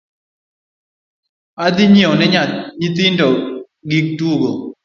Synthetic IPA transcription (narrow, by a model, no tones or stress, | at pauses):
ad̪ɪɲjeonɛɲat̪̚it̪̬ɪndɔ | ɡik̚tuɡo